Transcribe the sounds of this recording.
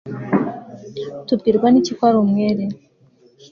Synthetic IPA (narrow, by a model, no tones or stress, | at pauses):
tub̚ɡiɾɡwanicikwaɾumŋeːɾe